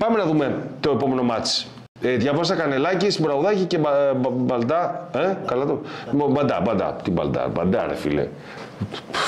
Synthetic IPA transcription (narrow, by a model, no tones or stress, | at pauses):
pɐmenɐðumet̪o̞e̞po̞me̞no̞mɐt͡s | eðʝɐvɐs̬ɐkɐnelɐcisibɾɐɣuðɐcicebɐbɐld̪ɐekɐlɐt̪oobɐnd̪ɐ̰bɐnd̪ɐ̰t̪imbɐ̰ld̪ɐ̰bɐ̰nd̪ɐɾḛfḭlḛ